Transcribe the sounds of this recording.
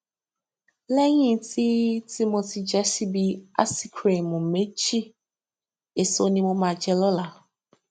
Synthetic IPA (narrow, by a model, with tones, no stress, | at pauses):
lɛ˦ɲi˦˨ti˦ti˦mo˨ti˨d͡ʒe˦si˦bi˨a̰˦si˦kʰɾe˨mu˨me˦t͡ʃi˦ | e˨so˦ni˦mo˦ma˨d͡ʒɛ˦lɔ˦la˨